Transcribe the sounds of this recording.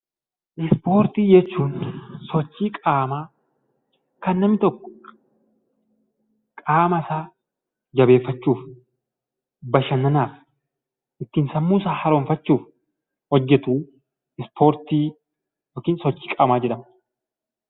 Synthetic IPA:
ʔɪspo̞ːɾt̪iːd͡ʒɛt͡ʃːuːnsɔt͡ʃːiːkʼaːmaː | kɐnːɐmɪt̪ɔkːɔ̥ | kʼaːmɐsaː | d͡ʒɐbe̞ːfːɐt͡ʃːuːf | bɐʃɐnːɐnaːf | ʔɪt̪ːiːnsɐmːuːsaːhɐɾoːnfɐt͡ʃːuːf | hɔd͡ʒːɛt̪uː | ɪspʰo̞ːɾt̪iː | joːkiːnsɔt͡ʃːiːkʼaːmaːd͡ʒɛᶑɐm

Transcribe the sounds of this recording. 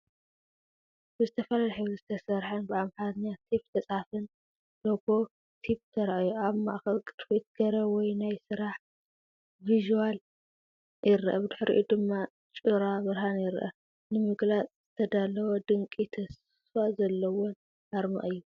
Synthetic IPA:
bɨzɨt̪ʰɐfɐlalaħɨwɨzɨt̪ʰɐsɐɾħanbɨamħat̪ɲat̪ʰip̚t̪ʰɐt͡sʼafɨn | lobo̞ | t̪ʰip̚t̪ʰɐɾʔjuaβmaʔxɐlkʼɨɾfit̪̚ɡ̥ɐɾɐwɔjnajsɨɾaħ | viʒuwal | jɪɾʔɐ̰bɨd̪ɨħɾḭʔud̪ɨmːa | t͡ʃʼɨɾaβɨɾhanjɪɾʔɐ̰ | nɨmɨɡlat͡sʼz̥ɨt̪ʰɐd̪alɐwod̪ɨŋkʼit̪ʰɐs | fazɐlːɐwon | ʔaɾmɨ̰ʔʼɨjːu

